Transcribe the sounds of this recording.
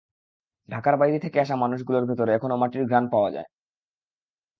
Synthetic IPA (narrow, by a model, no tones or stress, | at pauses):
ɖʱakaɾbajɾit̪ʰekeaʃ̬amanuʃ̬ɡuloɾbʱit̪oɾeɛkʰonomaʈiɾɡɾanpaoa̰d͡ʑa̰e